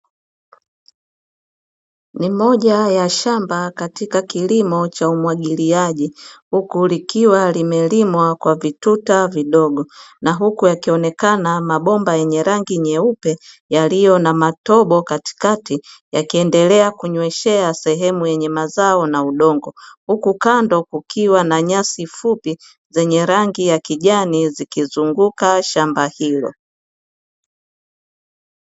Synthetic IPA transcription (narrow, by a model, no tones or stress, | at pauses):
nimɔʄajaʃambakatikakilimɔt͡ʃaumwaɠiliaʄihukulikiwalimɛlimwakwavitutaviɗɔɡɔnaɦukujakiɔnɛkanamaɓɔmbajɛɲɛɾaŋɡiɲɛupɛ | jalijɔnamatɔɓɔkati̥katijakiɛndɛlɛakuɲwɛʃɛasɛɦɛmujɛɲɛmazaɔnauɗɔŋɡɔhukukandɔkukʰiwanaɲasifupi | zɛɲɛɾaŋɡijakiʄanizikizuŋɡukaʃambahilɔ̰